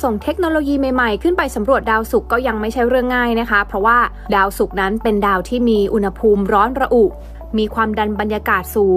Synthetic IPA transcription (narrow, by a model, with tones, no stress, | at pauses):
so˨˩ŋt̪ʰe˦˥k̚noː˧loː˧jiː˧ma˧ma˨˩jkʰɯ˥˩npa˧jsa˩˦mɾu˨˩ət̪̚daː˧wsu˨˩kːɔː˥˩ja˧ŋma˥˩jt͡ɕʰa˥˩jɾɯ˥˩əŋːaː˥˩jna˦˥kʰa˦˥pʰɾɔ˦˥waː˥˩ | daː˧wsu˨˩k̚na˦˥npe˧ndaː˧wt̪ʰiː˥˩miː˧ʔu˧nha˧pʰuː˧mɾɔː˦˥nɾa˧ʔu˨˩ʔ | miː˧kʰwaː˧mda˧nba˧njaː˧kaː˨˩t̪̚suː˨˩˦